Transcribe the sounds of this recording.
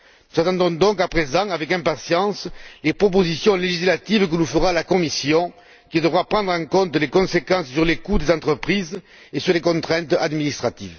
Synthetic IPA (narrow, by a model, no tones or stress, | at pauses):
nuzat̪ɑ̃d̪ɔ̃d̪ɔ̃ŋkapχezɑ̃avɛkɛ̃mpasjɑ̃slepχɔp̬ozisjɔ̃leʒislat̪ivk̬ənufəʁalakɔmisjɔ̃ | kʲid̪əvʁapχɑ̃d̪ʁɑ̃ŋkɔ̃nt̪lekɔ̃sekɑ̃ssyʁlekud̪ezɑ̃nt̪χəpχiz | esyʁlekɔ̃t̪χɛ̃nt̪ad̪minist̪χat̪ḭv